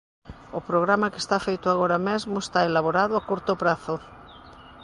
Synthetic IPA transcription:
opɾoɣɾamakest̪afejt̪oaɣ̞oɾamezmoest̪aelaβoɾaðoakuɾt̪opɾaθo

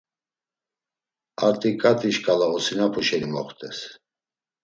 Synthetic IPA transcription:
aɾt̪ʼikʼat̪ʰʼiʃkʼalaɔsinapʰuʃɛlimɔχt̪ʼɛs

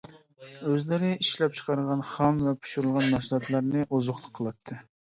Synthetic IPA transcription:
øzlɪɾɪiʃlɛp̚t͡ʃʰqɑɾəʁɑnχɑmvɛpʰu̥ʃuɾulˠʁɑnmɑʃlˠɑt̪lˠɑɾnɨʔozʊχlˠʊqʰːəlˠɑt̪ʰːɨ

